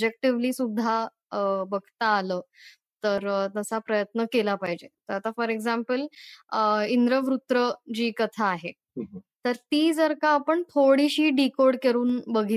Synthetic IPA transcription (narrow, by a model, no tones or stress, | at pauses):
d͡ʑek̚ʈiʋliːsud̪ʱːa | bəɡt̪aːləː | t̪əɾt̪əsapɾəjət̪nəkelapaɦid͡ʑet̪əɾat̪afəɾeɡzampəl | ind̪ɾəʋɾut̪ɾəd͡ʑiːkət̪ʰaːɦe | t̪əɾt̪iːd͡zəɾkaːpəɳt̪ʰoɽiɕiːɖikoɽkeɾuːnbəɡʱi